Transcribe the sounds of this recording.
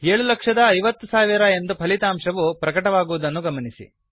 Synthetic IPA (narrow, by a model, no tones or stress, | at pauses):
eːɭulɐkʂɐd̪ɐːjʋɐt̪ːusaːʋiɾɐe̞nd̪upʰɐlit̪aːmʂɐʋupɾɐkɐʈɐʋaːɡuʋud̪ɐnːuɡɐmɐnisḭ